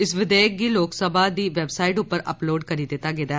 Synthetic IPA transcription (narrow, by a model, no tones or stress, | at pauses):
ɪsʋɪd̪ɛːək̚ɡiːloːksəbʱaːd̪iːʋɛbsaːɪʈʊpːəɾə̰ploːɖkəɾiːd̪ɪt̪aːɡeːd̪aː